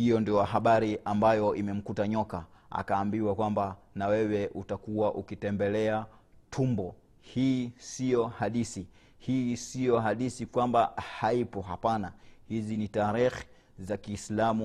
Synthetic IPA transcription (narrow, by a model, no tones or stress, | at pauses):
hijɔndiɔaɦaɓaɾiʔambajɔʔimɛm̩kutaɲɔkaa̰kaːmbiwakwamba | nawɛwɛʔutakuwaʔukitɛmbɛlɛatʰumbɔ | hiːsijɔhaɗisi | hiːsijɔɦaɗisikwambahaipɔɦapanahizinitaɾixi̥ | zakiːslamu